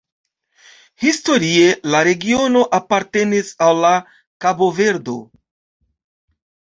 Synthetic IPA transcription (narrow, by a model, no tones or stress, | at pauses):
histo̞ɾie̞laɾe̞ɡio̞no̞ʔapaɾte̞nisalːa | kabo̞ve̞ɾdo̞̰